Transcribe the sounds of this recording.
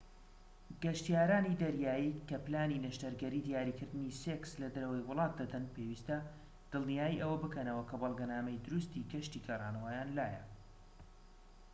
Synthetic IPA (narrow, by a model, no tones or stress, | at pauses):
ɡɐʃt̪ijaːɾaːnid̪ɐɾjaːjikɐplaːninɐʃt̪ɐɾɡɐɾiːd̪ijaːɾikɨɾd̪ɨnisekslɐd̪ɐɾɐwɐjwʊlˠɑːt̪̚d̪ɐd̪ɐnpewiːst̪ɐ | d̪̥ɨlˠnijaːjiʔɐwɐbɨkɐnɐwɐkʰɐbɑlˠɡɐnaːmɐjd̪ʊɾust̪iɡɐʃt̪iɡarˤɑːnɐwajaːnlaːjɐ